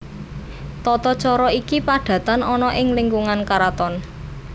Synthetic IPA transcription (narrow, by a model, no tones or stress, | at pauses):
t̪ɔt̪ɔt͡ʃɔɾɔikipaɖ̥ä̤t̪anɔnɔʔɪŋliŋɡuŋankaɾat̪ɔn